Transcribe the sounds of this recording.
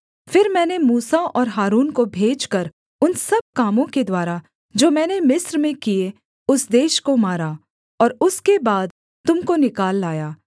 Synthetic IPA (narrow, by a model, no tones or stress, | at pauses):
fɪɾmɛ̃ːnemuːsaʔɔːɾɦaːɾuːnkobʱeːd͡ʒkəɾ | ʊnsɐb̚kaːmõked̪waːɾa | d͡ʒoːmɛ̃ːnemɪsɾmẽkie | ʊsd̪eːʃkomaːɾaː | ɔːɾʊskebaːd̪ | t̪ʊmkonɪkaːlːaːjaː